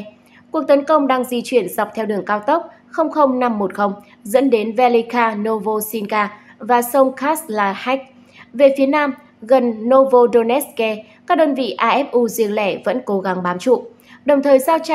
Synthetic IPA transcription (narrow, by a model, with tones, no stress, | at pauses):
ku˨˩ək̚t̪ə˨˦nkə˧wŋ͡mɗaː˧ŋzi˧t͡ɕwi˧˩ənza˨˩wk͡p̚t̪ʰɛ˧wɗɨ˨˩əŋkaː˧wt̪ə˦˥wk͡p̚ | xə˧wŋ͡mxə˧wŋ͡mna˧mːo˨˩t̚xə˧wŋ͡m | zɨ̰˧˥nɗe˨˦nvɛ˧li˧kaː˧no˧vo˧si˧nkaː˧ | vaː˨˩sə˧wŋ͡mkaː˦˥slaː˨˧˩ha˦˥jk̚ | ve˨˩fi˨˦ənaː˧m | ɣə˨˩nːo˧vo˧ɗo˧nɛ˦˥ske˧ | kaː˦˥k̚ɗəː˧nvḭ˧˨ʔaː˧ʔɛ˦˥p̚ʔu˧zi˧əŋlɛ˧˩və̰˧˥nko˨˦ɣa˨˦ŋɓaː˨˦mt͡ɕṵ˧˨ | ɗə˨˩wŋ͡mt̪ʰəː˨˩jsaː˧wt͡ɕa˧